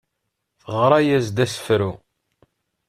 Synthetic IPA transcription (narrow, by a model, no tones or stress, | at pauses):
θəʁɾˤɑjæzd̪æsə̥fɾu